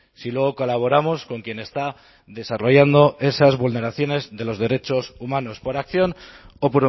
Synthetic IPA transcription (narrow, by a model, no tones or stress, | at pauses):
silwe̞ɣ̞oko̞laβ̞o̞ɾamo̞sko̞ŋkje̞ne̞st̪a | ðe̞saro̞ʝand̪o̞e̞sazβulne̞ɾaθjo̞ne̞zðe̞lo̞zðe̞ɾe̞t͡ʃo̞sumãno̞spo̞ɾakθjo̞nopoɾ